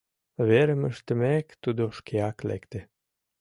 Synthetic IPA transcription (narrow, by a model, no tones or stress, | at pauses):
βeɾəməʃt̪ə̆mekt̪ud̪oʃkeɑklɛ̰kt̪ĕ